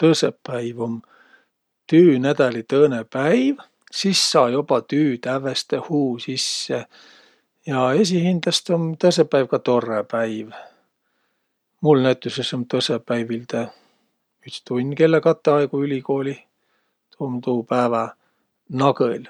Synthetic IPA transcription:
t̪ɤsepːæjvom | t̪yːnæd̪̥ælit̪ɤːnepæjv | sisːɑːjobɑt̪yːt̪ævest̪ehuːsisːe | jɑe̞s̬ihind̪̥lɑst̪omt̪ɤsepːæjvkɑt̪o̞rːepæjv | mulnæt̪ːˑusesomt̪ɤsepːæjvild̪e | yt̪st̪unʲːke̞lːekɑt̪ːeɑjkuylʲiko̞ːlʲi | t̪ʰoːmt̪uːpæːvɑ | nɑɡɤlʲ

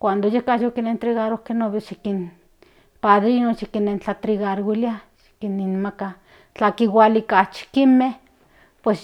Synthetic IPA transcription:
kʷand̪ojehkajokinent̪ɾiɣaɾokenoβeʃikin | paðɾinoʃikinent͡ɬat̪ɾiɣaɾwiliaʃi̥kininmaka | t͡ɬakiwalikat͡ʃi̥kimeh | pwes

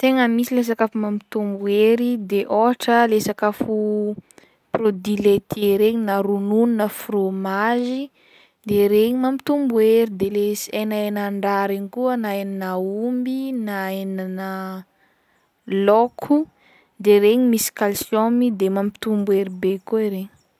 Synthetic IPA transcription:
t̪eŋəmisiles̬akafumamit̪umbueɾid̪eʔoaʈ͡ʂəlesakafu | prod̪ilet̪ʰeɾeɲinaɾunununəfromazi | d̪eɾeɲimampit̪umbueɾid̪elesienaenaɳɖ͡ʐaɾeɲikuənaenanəumbinaenanə | lokʰu | d̪eɾeɲimisi̥kalsjomid̪emampi̥t̪umbueɾibekoeɾeɲi̥

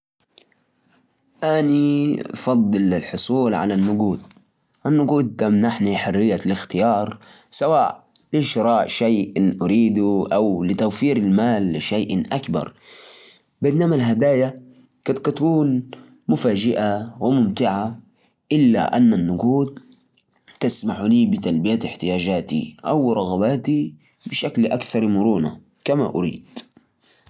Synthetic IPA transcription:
ʔanifɑd̪ˤːɨlɪlħʊsˤuːlʕa̰lanːʊɡuːd̪̚ | ʔanːʊɡuːd̪̚ːamnaħniħʊrːɪjːalɪxt̪ɪjɑːɾˤ | sawaːʔlɪʃɾˤɑːʔʃajʔɪnʔaɾiːd̪uʔawlɪt̪awfiːɾɪlmaːlːɪʃajʔʔakbɑ̰ɾˤ | bɪnːaːmalɦad̪aːja | kɪt̪ɡɑt̪kuːn | mʊfaːd͡ʒɪʔawɪmʊmt̪ɪʕa | ʔɪlːa̰ʔa̰nːanːʊɡuːd̪̚ | t̪ɪsmaħuliːbɪt̪albɪjat̪ɪħt̪ɪjaːd͡ʒaːt̪ḭʔawɾˤɑɣabaːt̪i | bɪʃakliʔakθɑɾˤmʊɾuːna̰ | kama̰ʔʊɾḭːd̪̥

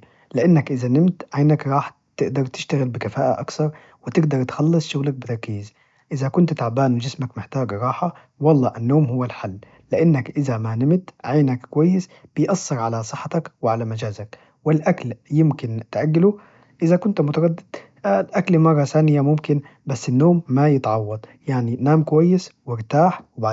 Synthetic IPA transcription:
lɪʔanːakʔɪzanɪmt̪ʕajnakɾˤɑːħ | t̪ɪʔd̪ɑɾˤt̪ɪ̥ʃt̪aɣɪlbɪkafaːʔa̰ʔakθɑɾˤ | wɪt̪ɪɡd̪ɑɾˤt̪xɑlːɨsˤʃʊɣlak̚bɪt̪ɑɾˤkiːz | ʔɪzakʊnt̪t̪aʕbaːnwɪd͡ʒɪsmakmɪħt̪aːɡɾˤɑːħɑ | wɑlˤːɑːʔanːoːmhʊwːalħalː | ɪʔanːakʔɪzamanɪmt̪ʕajnakkwajːɪsb̥ɪjʔɑsˤːɑɾʕalasˤɨħːɑt̪akwɪʕalamad͡ʒaːzak | wɪlʔakljɪmkɪnt̪ʔaɡːɪlu | ʔɪzakʊnt̪mʊt̪ɑɾˤɑd̪ːɪd̪̥ | lʔaklmɑrˤːɑθaːnɪjamʊmkɪnbasːɪnːoːmːajɪt̪ʕɑwːɑd̪ˤjaʕninaːmkwajːɪswɪɾt̪aːħwɪbaʕ

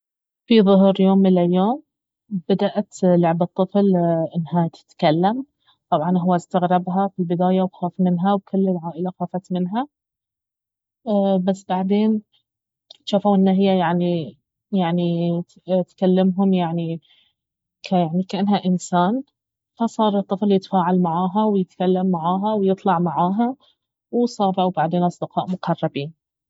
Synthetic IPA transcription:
fiðˤʊɦɾjoːmːɪlʔaljoːm | b̥ad̪aʔat̪lʊʕbɨt̪ˤːɨflʔɪnːɦat̪ɪ̥t̪kalːam | t̪ˤɑbʕɑnɦʊwːast̪aɣɾɑbɦafilbɪd̪aːjawxaːfmɪnɦawkʊlːɪlʕaːʔɪlaxaːfat̪mɪnɦa | bas̬ːbaʕd̪eːn | ʃaːfuːʔɪnːaɦɪjːajaʕni | jaʕni | t̪kalːamɦʊmjaʕni | kʰajaʕnikaʔanːɦaʔɪnsaːn | fasˤɑːɾˤɨt̪ˤːɨfljɪt̪faːʕalmaʕaːɦawjɪt̪kalːamːaʕaːɦawjɨt̪ˤlɑʕmaʕaːɦa | wsˤɑːbawbaʕd̪eːnʔɑsˤd̪ɪqɑːʔmʊqɑrˤːɑbiːn

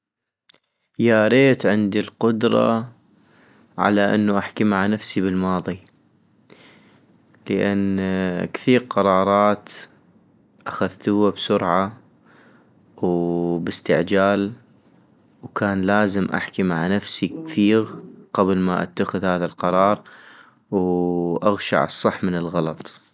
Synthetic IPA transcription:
jaːɾeːt̪ʕɪnd̪ilqʊd̪ɾˤɑ̰ | ʕa̰laʔɪ̰nːuʔaħkimaʕanafsiβəlmɑːðˤi | ləʔankθiːɾqɑɾˤɑːɾˤɑːt̪ | ʔaxaðt̪ʊwːabsʊɾʕa | wbɪst̪ɪʕd͡ʒaːl | wkaːnlaːzɪmʔa̰ħkimaʕanafsikθiːɣqablmaʔa̰t̪ːaxɪðhaːðalqɑɾˤɑːɾˤ | wʔaɣʃa̰ʕɨsˤːɑħːmənɪlɣɑlɑt̪ˤ

